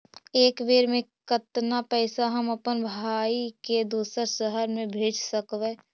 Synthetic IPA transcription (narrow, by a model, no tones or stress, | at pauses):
eːkʋeːɾmẽkət̪napɛːsaɦəməpənbʱaːiked̪uːsəɾʃəɦəɾmẽbʱeːd͡ʒsəkʋɛː